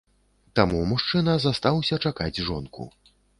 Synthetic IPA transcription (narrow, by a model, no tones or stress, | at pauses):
t̪amumuʂt͡ʂɨnɐzast̪awsʲɐt͡ʂakad͡zʲʐɔnkṵ